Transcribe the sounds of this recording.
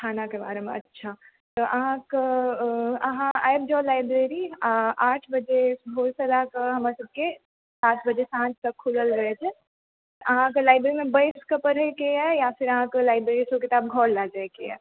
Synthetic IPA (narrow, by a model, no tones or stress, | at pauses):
ʈʰaːnakebaːɾemḛ̃ɐ̰tːʃʰa | t̪oʔɐɦãka | ɐɦãa̰ːjbd͡ʒɔːlaːɪbɾeɾiʔaːʈʰbɐd͡ʒebʱoːlsɐlakaɦɐmaːɾesɐb̚ke | saːt̪ʰbɐd͡ʒesãːt͡ʃt̪ɐkʰːuləlɾɐɦet͡ʃʰɛ | ʔɐɦãk̬elaːɪbɾeɾimẽbəjskapəɾekeɛjafɪɾɐɦãkelaːɪbɾeːɾisoket̪aːb̚ɡʱɔːɽlad͡ʒaekeɛ̰ː